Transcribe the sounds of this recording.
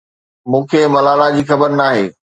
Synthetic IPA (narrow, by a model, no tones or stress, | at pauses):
mũːkʰeːmɐlaːlad͡ʑiːxɐbəɾnaːɦeː